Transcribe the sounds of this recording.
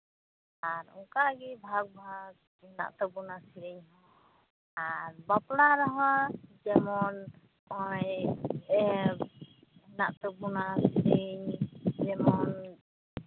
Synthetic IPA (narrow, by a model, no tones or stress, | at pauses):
aɾṵŋkaɡibʱaɡ̚bʱaɡ̚ | na̰ʔt̪ɔbunasiɾiɲɦɔ̃ | aɾbɔplaɾɔɦɔ̃d͡ʒɛmɔn | ɔj | na̰ʔt̪ɔbunasiɾiɲd͡ʒɛmɔn